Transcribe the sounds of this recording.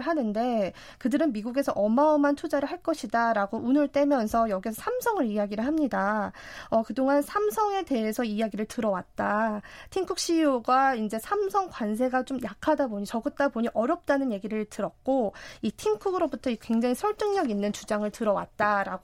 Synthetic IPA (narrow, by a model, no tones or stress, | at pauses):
ɭɦanɯnde̞ | kɯdɯɾɯnmiɡuɡe̞sʰʌʔʌmaɯmantʰud͡ʑaɾɯɭɦaɭk͈ʌɕʰidaɾaɡoʔunɯɭt͈e̞mjʌnsʰʌjʌɡiesʰʌsʰamsʰʌŋɯɾiaɡiɾɯɭɦamɲida | ʌkɯdoŋansʰamsʰʌŋe̞te̞ɦe̞sʰʌiaɡiɾɯɭtɯɾʌwat̚t͈atʰiŋkʰuk̚ɕ͈ijoɡaind͡ʑe̞sʰamsʰʌŋkwans̬ʰe̞ɡat͡ɕomjakʰadaboɲit͡ɕʌɡɯt͈aboɲiʔʌɾjʌp̚t͈anɯnje̞ɡiɾɯɭtɯɾʌk̚k͈oitʰiŋkʰuɡɯɾobutʰʌikwe̞ŋd͡ʑaŋisʰʌɭt͈ɯŋɲʌɡinːɯnt͡ɕud͡ʑaŋɯɭtɯɾʌwa̰t̚t͈aɾaɡ